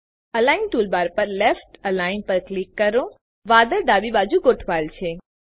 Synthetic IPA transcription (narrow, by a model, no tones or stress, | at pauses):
ɐlaːɪnʈuːlbaːɾpɐɾlɛfʈɐlaːɪnpɐɾklɪkːɐɾõ | ʋaːd̪əɾɖ̪aːbibaːd͡ʒuɡoʈʰʋaːlt͡ʃʰe